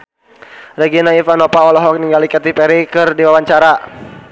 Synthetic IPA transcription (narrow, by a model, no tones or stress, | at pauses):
rɛɡinaifanɔpaɔlɔɦɔk̚niŋɡalikat̪ipɛɾikɨrdiwawaɲt͡ʃaɾa